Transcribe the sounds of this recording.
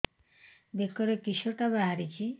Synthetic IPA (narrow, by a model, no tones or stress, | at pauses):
b̪ekɔɾekiʃoʈabaɦaɾikʰi